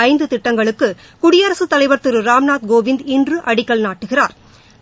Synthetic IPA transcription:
ɐɪnd̪ɯt̪ɪʈːɐŋɡɐɭɯkːɯ | kʊɽɪjɐɾɐsɯt̪ːɐlɐɪʋɐɾt̪ɯɾɯɾaːmnaːt̪̚ɡoːʋɪnd̪ɪndrɯʔɐɽɪkːɐɭnaːʈːɯɣɪraːɾ

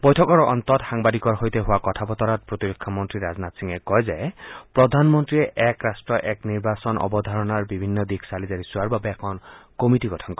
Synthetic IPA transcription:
bɔjtʰɔkɔɹʔɔ̰nt̪ɔtxaŋbad̪ikɔɹɦojt̪eɦʊakɔtʰabɔt̪ɔɾat̚pɹot̪iɾokʰːamɔnt̪ɹiɾaznat̪siŋekɔjzepɹɔd̪ʱanmɔnt̪ɹieʔɛkɹasʈɹɔʔɛkniɹbasɔnʔɔ̰bɔd̪ʱaɹɔnaɹbibʱinːɔd̪ikʰsalizaɾisuaɹbabeːkʰɔnkomitiɡɔtʰɔnkɔ

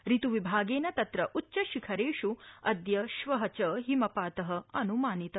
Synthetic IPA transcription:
ɾit̪uʋibʱaːɡeːnɐt̪ɐt̪ɾɐʔutːʃɐʃikʰɐɾeːʃuɐd̪jɐʃʋɐɦɐt͡ʃɐɦimɐpaːt̪ɐɦɐ̆ɐnumaːnit̪ɐ

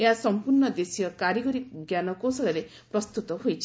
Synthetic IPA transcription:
eɦasɔmpuɾnɔd̪esijɔkaɾiɡɔɾiɡjanɔkosɔɭaɾe | pɾɔst̪ut̪ɔɦojt͡ʃʰi̥

